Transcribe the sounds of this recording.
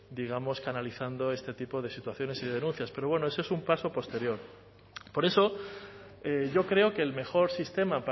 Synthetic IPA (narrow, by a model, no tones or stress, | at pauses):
d̪iɣ̞amo̞skanaliθand̪o̞e̞st̪e̞t̪ipo̞ðe̞sit̪waθjo̞nesiðe̞ð̞enũnθjaspe̞ɾo̞βwe̞no̞e̞soesumpaso̞po̞st̪e̞ɾjo̞ɾ | po̞ɾe̞so̞ | eʝo̞kɾe̞o̞ke̞ːlme̞xo̞ɾsist̪e̞map